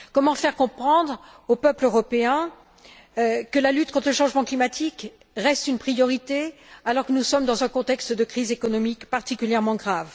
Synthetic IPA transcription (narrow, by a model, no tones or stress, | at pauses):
kɔmɑ̃fɛʁkɔ̃pχɑ̃d̪ʁ | opœpløʁɔpeɛ̃ | kəlalyt̪̚kɔ̃t̪χləʃɑ̃ʒmɑ̃klimat̪ʰik | ʁɛst̪ynpχijɔʁit̪ealɔʁkənusɔmd̪ɑ̃zɛ̃kɔ̃t̪ɛkst̪d̪əkχizekɔnɔmikpaʁt̪ikʲyljɛʁmɑ̃ɡʁav